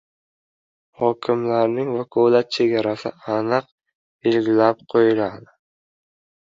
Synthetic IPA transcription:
hɒkʲʰɪmlaɾnɪŋvakʰolˠat̪̚t͡ʃʰe̞ɡʲaɾasɪ̰anɨq̚ | b̥e̞lɡʲɪlap̚qʰojɪlad̪ɪ

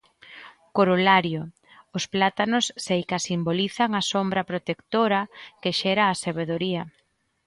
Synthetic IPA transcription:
koɾolaɾjo | ʊsplat̪anʊsːejkasimboliθaŋasombɾɐpɾot̪ekt̪oɾɐkeʃɛɾaːseβeðoɾiɐ

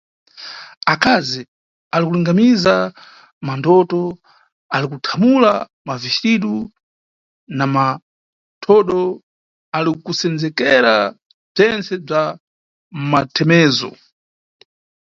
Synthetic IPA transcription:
akazi | alikuliŋɡamiza | mandɔtɔ | alikutʰamula | maviʃɾiɗu | nama | tʰɔɗɔ | alikusɛnd͡zɛkɛɾa | b͡ʐɛnt͡sɛb͡ʐa | matʰɛmɛːzɔ̰

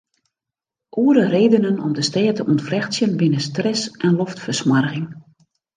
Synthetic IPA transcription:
ʔuəɾəreːdənənɔ̰mdəstɛːtəʔuntfrɛxsjənbɪnəstrɛsʔɛnlɔftfərsmarɣɪŋ

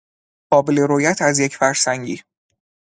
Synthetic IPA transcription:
ɢ̥ɒːbeleɾoːjæt̪ʰæzjecʰfæɾsæŋɟḭː

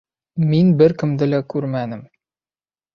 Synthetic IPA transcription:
minbɘɾkɘ̆md̪ɘlækʉɾmænɘm

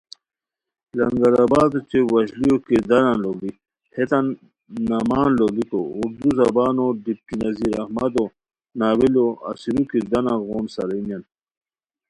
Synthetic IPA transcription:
lɐŋɡɐɾabaːd̪ot͡ɕewɐɕlijokid̪ɐnãloli | het̪anː | ɐmaːnlolikouɾd̪uzɐbaːnoɖip̚kinɐziːɾɐhmɐd̪o | naːwiloɐ̰siɾukid̪ɐnãɣoːnsɐɾinan

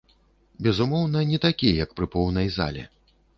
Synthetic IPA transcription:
bʲɛzumɔwnɐnʲɛt̪akʲijɛjɐkpɾɨpɔwnɐjza̰lʲɛ̰

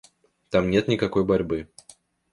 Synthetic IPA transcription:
t̪amnʲet̪nʲɪkakɔjbɐɾʲbɨ

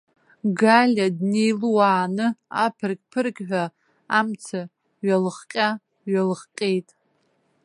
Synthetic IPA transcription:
ɡalʲadnejlwaːnɨapʰɨrkʲʼpʰɨrkʲʼħʷᶣa | amt͡sʰa | ɥalɨχqʲʼa | ɥalɨχqʲʼe̞jtʼ

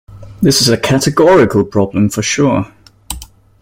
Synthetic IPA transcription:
ðɪsɪzəkʰatɪɡɔɹɪkʰəlˠpʰɹ̥ɒblə̃ɱfəʃɔː

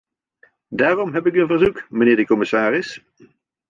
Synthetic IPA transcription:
daːrɔmɦɛpɪkənvəɹzukməneːɹdəkɔmɪsaːɾɪs

